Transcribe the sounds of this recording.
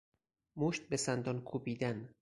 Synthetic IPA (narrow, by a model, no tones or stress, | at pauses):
moʃt̪̚besænd̪ɒnkʰupiːd̪æn